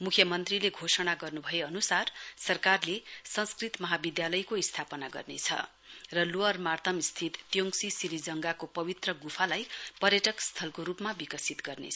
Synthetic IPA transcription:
mukʰjʌmʌnt̪rileɡʱosʌɽaɡʌrnubʱʌeʌnusarsʌrkarlesʌ̃nskrit̪mʌɦabid̪jalʌjkoist̪ʰapʌnaɡʌ̰rnet͡sʰʌ̰ | rʌluʌrmart̪ʰʌmst̪ʰit̪t̪joŋsisilid͡zʌŋɡakopʌbit̪rʌɡupʰalajpʌrjʌʈʌkst̪ʰʌlkoɾupmabikʌsit̪ɡʌrnḛt͡sʰ

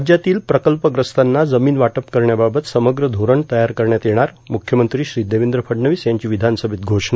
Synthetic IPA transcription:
d͡ʑjat̪iːlpɾəkəlpəɡɾəst̪anːad͡zəmiːnʋaʈəpkəɾɳjababət̪səməɡɾəd̪ʱoɾəɳt̪əjaɾkəɾɳjat̪jeɽ̃aɾ | mukʰjəmənt̪ɾiːɕɾiːd̪eʋind̪ɾəpʰəɖɳəʋiːsjaɲt͡ɕiːʋid̪ʱansəbʱit̪̚ɡʱoʂɳə

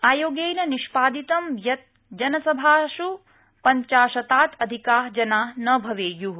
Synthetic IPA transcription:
aːjoːɡejnɐniʃpaːd̪it̪ɐmjɐt̪̚ | d͡ʒɐnɐsɐbʱaːʃu | pɐɲt͡ʃaːʃɐt̪aːt̪ʰɐd̪ʱikaːɦd͡ʒɐnaːnɐbʱɐʋeːju

